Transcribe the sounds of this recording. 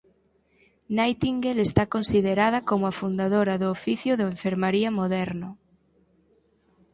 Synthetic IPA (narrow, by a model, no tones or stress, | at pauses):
najt̪iŋɡelest̪akonsiðeɾað̞ɐkomʊafund̪aðoɾɐðʊːfiθjʊðoẽɱfeɾmaɾiɐmoðɛɾnʊ